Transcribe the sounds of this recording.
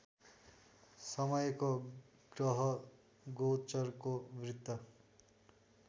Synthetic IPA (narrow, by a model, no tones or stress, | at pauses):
sʌmʌjko | ɡ̥rʌɦʌ | ɡot͡sʌrkomrit̪ːʌ